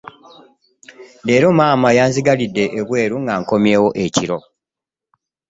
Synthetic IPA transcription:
deːɾomaːmajaːnziɡalidːe̞ʔeβwe̞ːɾuŋɡaːŋko̞mjeːwo̞ʔeciɾo̞

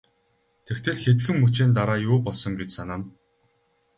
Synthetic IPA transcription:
t̪ʰekt̪ʰɘ̆ɮxet̪ɘ̆xɘ̆mːut͡ɕeːnt̪̬aɾaːjʊːpɔɮsɞ̆ŋɡet͡ɕsanaːn

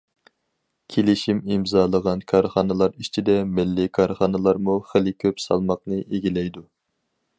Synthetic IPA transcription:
kʲʰelɪʃimimzɑːlˠəʁɑnkʰɑɾχɑnɨlˠɑɾit͡ʃʰid̪ɛmɪlːɪkʰɑɾχɑnɨlˠɑɾmuχəlɪkʲʰøpsɑ̰lˠmɑqnɨʔeɡʲilɛjd̪u

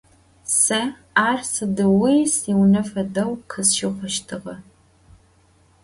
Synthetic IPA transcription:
sɐ | aːrsɨdɨwisiwnɐfɐdɐwkʰɨsʃɪχʷɔʃtʰɨʁɐ

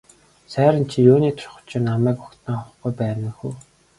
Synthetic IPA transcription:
sæːɾə̆nt͡ɕʰijoːniːt̪ʰʊ̥rχʊ̥̆t͡ɕʰĭnːamæːkʊkt̪nə̆ŋχʊ̆χɡujpæːnə̆xuː

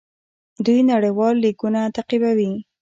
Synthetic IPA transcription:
d̪ujnaɽəjwɑlːikunat̪aqibawi

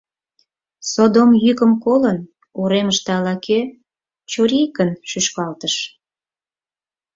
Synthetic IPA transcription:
sod̪omjykəmkolən | uɾeməʃt̪ɑlɑke | t͡ɕoɾijkənʃyʃkɑlt̪əʃ

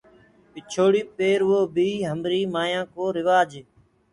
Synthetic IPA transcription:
pɪt͡ʃʰoːɽiːpeːɾʋoːbʱiːɦəmɾiːmaːjãːkoːɾɪʋaːd͡ʒː

